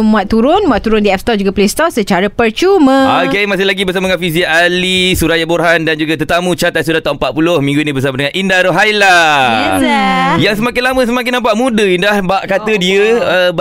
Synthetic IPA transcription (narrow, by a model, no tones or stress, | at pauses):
mũat̪ːuɾʊnmũat̪ːuɾʊndiɛfst̪ɔd͡ʒuɡaplest̪ɔsət͡ʃaɾapəɾt͡ʃumə̃akemasɪhlaɡibərs̬amadəŋanfiziaʔalisuɾajaboɾɦandand͡ʒuɡat̪ət̪amut͡ʃat̪at̪sudat̪aəmpat̪̚pulohmĩŋɡuinĩbərs̬amadəŋanʔindaɾoɦajla | jaŋsəmakɪnlamə̃s̬əmak̬ɪnːãmpaʔmũdəindahbaʔkat̪ədiəəb